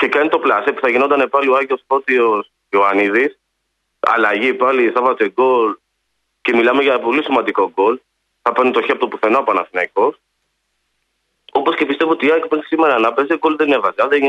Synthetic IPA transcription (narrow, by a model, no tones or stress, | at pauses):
ce̞kɐnit̪o̞plɐsipuθɐʝinond̪ɐnepɐlioɐʝiospo̞t̪ios | oɐniðis | ɐ̰lɐʝipɐliθɐvɐt̪eɡo̞l | ce̞milɐme̞ʝɐpo̞lisimɐnd̪iko̞ɡo̞l | θɐpɐnit̪o̞çiɐpot̪opuθe̞noɐpoɐnɐθinɐiko̞s | o̞po̞sce̞pist̪evoot̪iɐkpesi̥simeɾɐːnɐpeseɡo̞lðenievɐzɐðeʝi